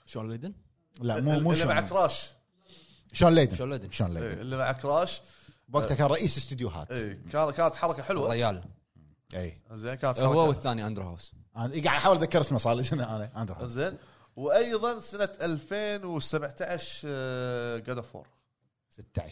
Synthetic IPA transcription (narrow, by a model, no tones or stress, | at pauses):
ʃoːnleːd̪ɪn | laʔmumuːlimaʕakɾˤɑːʃ | ʃoːnlːeːd̪ɪʃoːnled̪ɪnʃoːnlḛːeːɪlːimaʕakɾˤɑːʃ | bwaɡt̪akaːnɾˤɑʔiːsɪst̪ɪd̪juɦa̰ːt̪ikaːkaːnat̪ħɑɾˤɑkaħɪlwaɾɪjaːl | ʔiːzeːnkaːnat̪hwawɪθθːaːniʔand̪ɾha̰ːsʔaɡaʕd̪ħaːwəlðakːɑɾˤsnasˤɑːlisanaʔaːnaʔand̪ɾhzeːn | wʔɑjðˤɑnsanat̪ʔalfeːnwsabʕt̪aʕʃ | ɡad̪afo̰ːɾˤ | sɪt̪ːa̰ʕaʃ